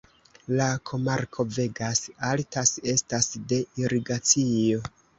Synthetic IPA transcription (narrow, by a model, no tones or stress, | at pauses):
lakʰo̞maɾkʰo̞ve̞ɡasaltase̞stasde̞iɾiɡat͡sio̞